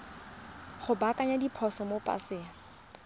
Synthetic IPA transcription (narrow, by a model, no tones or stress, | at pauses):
χʊbakʼaɲadipʰɔsɔmopʼa̰sɪːa